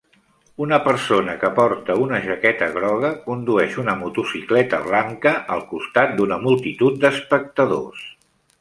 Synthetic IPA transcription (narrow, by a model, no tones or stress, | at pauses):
unəpəɾsonəkəpɔɾt̪əunəʒəkɛt̪əɣ̞ɾɔɣəkund̪uɛʃunəmut̪usiklɛt̪əβlaŋkəʔəlˠkust̪at̪̚d̪unəmulˠt̪it̪ut̪̚d̪əspək̚t̪əðo̰s